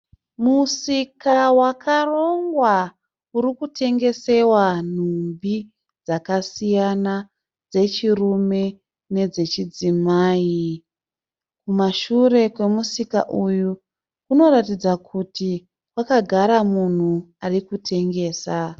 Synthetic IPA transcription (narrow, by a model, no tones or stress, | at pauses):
musikawakʰaro̞ŋɡwa | uɾikutʰe̞ŋɡe̞se̞wan̤umbi | d͡zakasijana | d͡ze̞t͡ʃirume̞ | ne̞d͡ze̞t͡ʃid͡zimaːi | kumaʃure̞kwe̞musika̰ʔuju | kuno̞ɾatid͡zakʰuti | wakaɡʱaɾamun̤u | arikutʰe̞ŋɡe̞ːsa